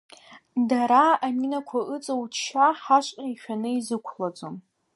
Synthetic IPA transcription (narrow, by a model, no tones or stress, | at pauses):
daɾaaminakʷʰaʔɨt͡sʼowt͡ʃʰʃaħaʃʷʼaiʃᶣanɨizɨkʷʰlad͡zʷʼom